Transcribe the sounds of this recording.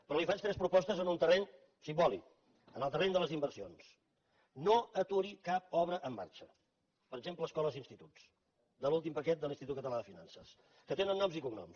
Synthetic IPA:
pəɾɔlifat͡ʃt̪ɾɛspɾupɔst̪əzənunt̪ərɛɲ | simbɔlḭk | ənəlˠt̪ərɛɲd̪ələzimbərsio̰ns | noət̪uɾikap̚ɔβ̞ɾəʔəmːa̰ɾt͡ʃə | pəɾəɡzempləːskɔləzinst̪it̪us | d̪əlulˠt̪impəkɛt̪̚d̪əlinst̪it̪ut̪kət̪əlaðəfina̰nsəs | kət̪enənːɔmzikuŋnɔ̰ms

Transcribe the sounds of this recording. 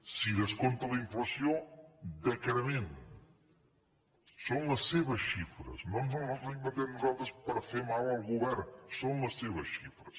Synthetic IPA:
siðəskont̪ɐlɐiɱflɐsjod̪əkɾmẽn | sõw̃lɐseβɐsʃifɾɐ̰snõmnõnɔnõimɐt̪eɾnuzalˠt̪ɾəspəɾfemalˠɐlˠɣuβɛɾsõw̃lɐseβɐsʃifɾɐs

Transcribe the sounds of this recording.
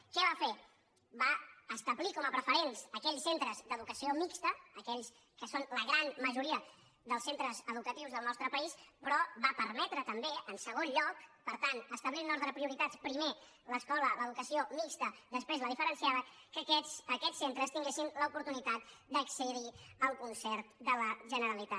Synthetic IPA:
kɛβafe | βaəst̪əβlikɔməpɾəfəɾensəkɛʎsent̪ɾəzd̪əðukəsiomikst̪əːkɛʎs | kəsonləɣ̞ɾanməʒuɾiə | ðəlˠsent̪ɾəzəðukət̪iwzðəlˠnɔst̪ɾəpəispɾɔβapəɾmɛt̪ɾət̪əmbeənsəɣ̞onʎɔkpəɾt̪anəst̪əβlinɔzt̪ɾəpɾiuɾit̪at͡spɾime | ləskɔlələðukəsiomikst̪əd̪əspɾezləðifəɾənsiaβəkəkɛəkɛsent̪ɾəst̪iŋɡesinləupuɾt̪unit̪at̪̚d̪əksəðiəlˠkunsɛɾt̪d̪ələʒənəɾəlit̪a

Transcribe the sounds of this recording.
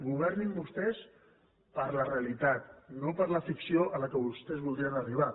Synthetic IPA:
ɡuβ̞ɛɾnimbust̪ɛs | pəɾləreəlit̪at̪̚nopəɾləfiksioʔələkəβust̪ɛzβulˠd̪ɾiənəriβ̞a

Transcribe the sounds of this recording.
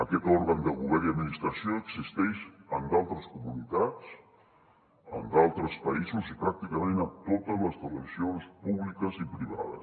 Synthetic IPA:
əkɛt̪ɔɾɣənd̪əɣuβɛɾiəd̪minist̪ɾəsioəɡzist̪ɛʃənd̪alˠt̪ɾəskumunit̪at͡s | ə̰nd̪alˠt̪ɾəspəizuzipɾak̚t̪ikəmẽnət̪ot̪əzləzt̪ələβizionspuβlikəzipɾiβa̰ðə̰s

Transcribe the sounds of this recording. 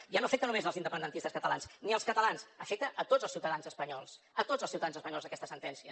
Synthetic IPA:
ʒanoəfɛk̚t̪ənumezəlzind̪əpənd̪ənt̪ist̪əskət̪əlansniəlˠskət̪əlansəfɛk̚t̪əʔət̪odzəlˠsiuwt̪əðanzəspəɲɔlˠs | ət̪od͡zəlˠsiuwt̪əðanzəspəɲɔlzðəkɛst̪əsənt̪ɛnsiə

